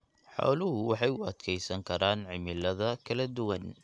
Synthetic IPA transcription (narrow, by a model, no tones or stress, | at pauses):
ħɔ̰ːlʊɦʊwɑħɑjʊɐd̪kʰɛjsɐŋkʰɐɾaːnʕɪmɪlɐðɐkʰɐlɐd̪ʊwɐn